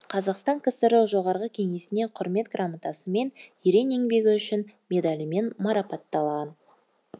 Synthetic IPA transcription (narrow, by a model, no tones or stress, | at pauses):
qʰɑzɑqst̪ɑŋkʲʰɪst̪əɾəʒo̞ʁɑɾʁəkʲʰe̞ŋe̞sɪne̞qʰʊɾme̞t̪ɡramɑt̪ɑsəme̞neɾe̞ne̞ŋbe̞ɡʲɪʏʃɪnmʲe̞d̪alʲəme̞nmɑɾɑpɑt̪ːɑlˠʁɑn